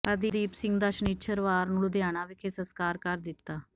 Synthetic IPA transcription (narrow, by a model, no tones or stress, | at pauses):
pəd̪iːd̪iːpsɪŋɡd̪əʃənɪt͡ʃʰəɾʋaːɾnuld̪ɪjaːɽ̃aːʋɪkʰeːsəskaːɾkəɾd̪ɪt̪ːaː